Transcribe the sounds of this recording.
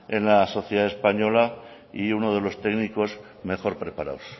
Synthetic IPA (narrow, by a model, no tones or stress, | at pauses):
e̞nlaso̞θjeðaespaɲo̞la | iuno̞ð̞e̞lo̞st̪e̞ɣniko̞z | me̞xo̞ɾpɾe̞paɾa̰ws